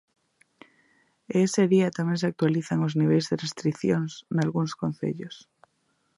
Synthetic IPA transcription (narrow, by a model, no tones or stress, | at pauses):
eeseðiat̪amẽŋseak̚t̪waliθaŋozniβ̞ejzðerest̪ɾiθjoŋsnalɣuŋskon̟θḛʎos